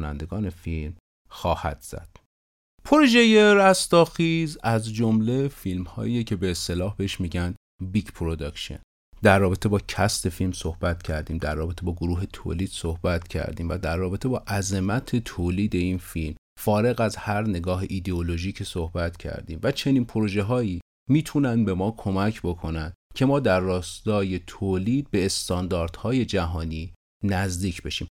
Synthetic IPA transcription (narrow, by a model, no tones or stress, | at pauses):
nænd̪e̞ɡɒːne̞film | xɒːhæ̰d̪̥z̥æ̰d̪̥ | pʰoɾoʒeje̞ɾæst̪ɒːxiːzæzd͡ʒomle̞filmhɒ̰ːʔiːjecʰe̞be̞ːst̪e̞lɒːhbeeʃmiːɟænd̪ | bikpʰɾod̪ɒkʃḛn | d̪ærːɒːbe̞t̪ʰe̞bɒːcʰæst̪e̞filmso̞hbæt̪cʰæɾd̪iːmd̪æɾːɒːbe̞t̪ʰebɒːɡoɾuːɦe̞t̪ʰo̰ːliːd̪̥sohbæt̪cʰæ̰ɾd̪iːmvæd̪æɾːɒːbe̞t̪ʰebɒːʔæze̞mæt̪ʰe̞t̪ʰoːliːd̪e̞iːnfilm | fɒːɾe̞ɣæzhæɾne̞ɡɒːɦeʔid̪eolo̞ʒiːcʰesohbæt̪cʰæ̰ɾd̪iːmvæt͡ʃʰe̞niːnpʰoɾoʒe̞ɦɒːiː | miːt̪ʰunænd̪be̞mɒːkʰo̞mæcʰbo̞kʰo̞nænd̪cʰe̞mɒːd̪æɾːɒːst̪ɒːje̞t̪ʰoliːd̪̚be̞ːst̪ɒːnd̪ɒːɾd̪̥hɒːje̞d͡ʒæɦɒːniː | næzd̪iːcʰbeʃiːm